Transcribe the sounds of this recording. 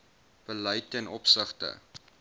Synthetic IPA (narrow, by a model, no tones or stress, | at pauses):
b̥əlœjtɛnʔɔpsəχtə̰